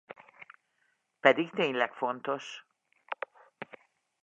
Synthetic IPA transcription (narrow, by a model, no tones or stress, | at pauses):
pɛd̪ikt̪eːɲlɛkfo̞nt̪o̞ʃ